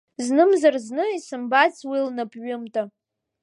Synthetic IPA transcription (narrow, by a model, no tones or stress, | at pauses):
znɨmzarznɨisɨmbat͡sʰwilnapʰʼɥʷʊmtʼa